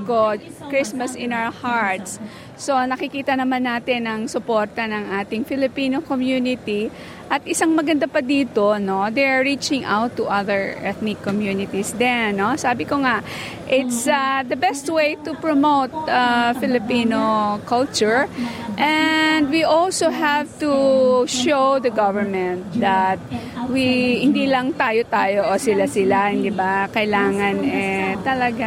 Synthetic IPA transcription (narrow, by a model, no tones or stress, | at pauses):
kokɹɪsmɐsɪ̃nawəhaɹt̪s | so̞nɐkɪkiːt̪ɐnɐmanːaːt̪ɪnːɐŋsʊpoɹt̪ɐnɐŋʔaːt̪ɪŋfɪlɪpiːnokomjuːnɪt̪i | ʔɐt̪ʔɪsaŋmɐɡɐnd̪apɐd̪iːt̪o̞no̞d̪ɛaɹɹit͡ʃɪŋʔa̰wt̪ːuʔɐðəɹʔɛt̪nɪkːomjunɪt̪isd̪ɛnːo̞saːbɪkoŋaʔ | ʔɪt̪sad̪ɐbɛst̪wejt̪upɹomoʊt̪̚afɪlɪpiːnokɐlt͡ʃʊɹʔɛnd̪wiʔɔlsoɦɛvt̪uʃowd̪ɐɡɐvəɹmɛ̃nt̪̚d̪ɐt̪̚wihɪ̃nd̪iːlɐŋt̪aːjot̪aːjoʔosɪlasɪlahɪnd̪ibakɐɪlaːŋɐnʔɛt̪ɐlɐɡa